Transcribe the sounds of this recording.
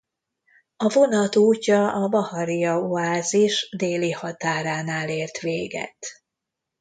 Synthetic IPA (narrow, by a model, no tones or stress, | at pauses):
ɒvo̞nɒt̪uːcːɒɒbɒhɒɾijɒuaːziʃd̪eːlihɒt̪aːɾaːnaːleːrt̪ʋeːɡɛ̰t̪